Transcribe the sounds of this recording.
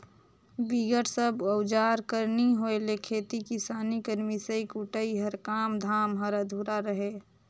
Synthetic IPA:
biɡəʈsəbəwd͡ʒaːɾkəɾniɦoelekʰeːt̪ikisaːnikəɾmisəikuʈəiɦəɾkaːmd̪ʱaːmɦəɾəd̪ʱuːɾaɾəɦeː

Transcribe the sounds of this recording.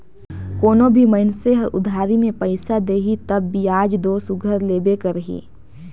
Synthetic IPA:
koːnobʱiməɪnseɦʊ̰d̪ʱaːɾimẽpɐɪsad̪eːɦit̪ɐbːiaːd͡ʒd̪oːsʊɡʱəɾleːbekəɾɦḭː

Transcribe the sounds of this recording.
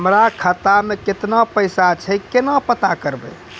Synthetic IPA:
əmɾakʰət̪ameket̪napəjsat͡ʃʰəjkenapət̪akəɾbə̰

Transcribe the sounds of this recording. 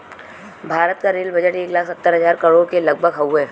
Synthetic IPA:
bʱaːɾət̪kaɾeːlbəd͡ʒəʈeːklaːksət̪ːəɾɦɐzaːɾkɐɽokelɐɡ̚bʱəɡɦɐwɛː

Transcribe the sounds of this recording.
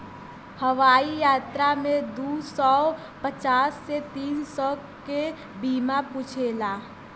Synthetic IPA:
həʋaːijaːt̪ɾamẽd̪uːsɔ | pət͡ʃaːsːet̪iːnsɔː | ke | biːmapuːt͡ʃʰelaː

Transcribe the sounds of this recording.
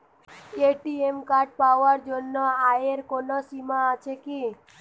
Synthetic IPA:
eʈiemkaɾɖ̚paaɾd͡ʒonːɔaeɾkonɔsimaːt͡ʃʰeki

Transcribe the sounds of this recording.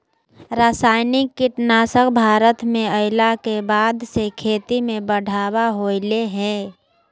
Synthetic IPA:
ɾaːsaːɪnɪkːiʈnaːsəkbʱaːɾət̪mẽəɪlakebaːd̪sekʰeːt̪imẽbəɽ̤ʱaːwaɦoːɪleɦɛ̃ː

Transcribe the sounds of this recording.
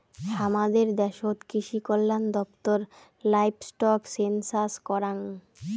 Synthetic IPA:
ʃamad̪eɾd̪ɛʃot̪kɾiʃikolːand̪ɔpt̪oɾ | lajbsʈɔksensaskɔɾaŋ

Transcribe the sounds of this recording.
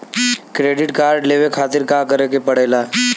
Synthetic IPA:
kɾeːɖɪʈkaːɾɖleːʋekʰaːt̪ɪɾkaːkəɾekepəɽ̤eːlaː

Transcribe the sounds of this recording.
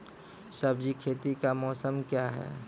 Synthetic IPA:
səbd͡ʒikʰeːt̪ikamɔːsəmkjaɦɛ̰ː

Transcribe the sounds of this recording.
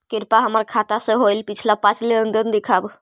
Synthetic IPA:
kiɾpaɦəməɾkʰat̪asə̃ɦojlpit͡ʃʰlapãt͡ʃleənd̪ənd̪ekʰab

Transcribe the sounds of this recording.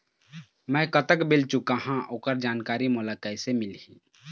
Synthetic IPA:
mɛ̃kət̪əkbelt͡ʃukaɦãʔoːkəɾd͡ʒaːnkaɾimolakəɪsemilĩ

